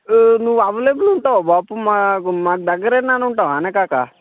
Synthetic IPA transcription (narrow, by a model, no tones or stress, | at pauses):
nuʋːuɐʋɐleːɡuluɳʈaːʋobaːpumaːkumaːk̬ud̪ɐɡːɐɾeːnanuɳʈaːʋaːneːkaːka